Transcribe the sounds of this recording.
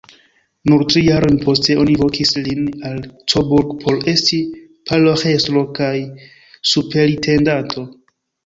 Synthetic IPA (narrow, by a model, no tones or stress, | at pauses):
nuɾtɾijaɾo̞jnpo̞ste̞ʔo̞nivo̞kislinalt͡sobuɾɡpʰo̞ɾe̞sti | palohe̞slo̞kaj | supe̞litʰe̞ndatʰo̞